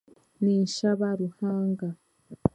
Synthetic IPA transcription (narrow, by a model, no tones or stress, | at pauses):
ninʃaβaɾuhaːŋɡa